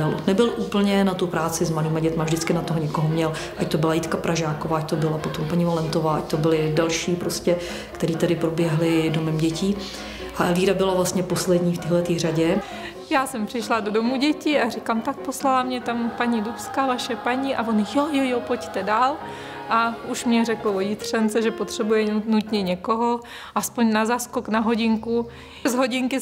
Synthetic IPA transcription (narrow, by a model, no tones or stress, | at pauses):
alʔonnɛbɪlʔuːpl̩ɲɛnat̪upɾaːt͡sɪzmaliːmaɟɛt̪mavʒdɪt͡skɪnat̪oɦoɲɛkoɦomɲɛl | ʔact̪obɪlait̪kapɾʔaʒaːkovaːac̚t̪obɪlapo̞t̪o̞mpaɲivalɛnt̪o̞vaːʔac̚t̪obɪlɪdalʃiːpɾoscɛ | kt̪ɛɾiːt̪adɪpɾobjɛɦlɪdomɛmɟɛciː | ʔaʔɛlviːɾabɪlavlast̪ɲɛpo̞slɛdɲiːft̪iːɦlɛt̪iːr̝aɟɛ | jaːsɛmpr̥ɪʃlado̞domuɟɛcɪarɪkamt̪ak̚poslalamɲɛt̪ampaɲidupskavaʃɛpaɲiʔavo̞njojojopo̞ct̪ɛdaːl | ʔauʃmɲɛrɛklvojɪt̪r̝ɛnt͡sɛʒɛpot̪r̝̥ɛbujɛnut̪ɲɛɲɛko̞ɦo̞ | ʔaspoɲnazaskoknaɦo̞ɟɪŋku | zɦo̞ɟɪŋkɪ